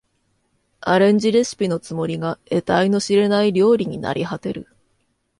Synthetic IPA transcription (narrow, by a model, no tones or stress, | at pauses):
aɾẽ̞ɲ̟d͡ʑiɾe̞sɨ̥pʲino̞t͡sɨmo̞ɾʲiɡae̞t̪aino̞ɕiɾe̞naiɾʲo̞ːɾʲiɲ̟ina̰ɾʲihat̪e̞ɾɯ̟̰